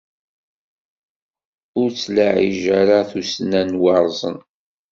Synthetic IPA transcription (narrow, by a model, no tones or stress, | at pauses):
ʊɾt͡sːlaʕḭʒaɾaθusnænwɑɾˤzˤə̰n